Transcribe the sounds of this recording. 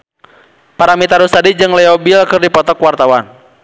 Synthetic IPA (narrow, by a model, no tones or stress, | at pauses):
paɾamit̪aɾusadid͡ʒɨŋlɛɔbilkɨrdipɔt̪ɔkwart̪awan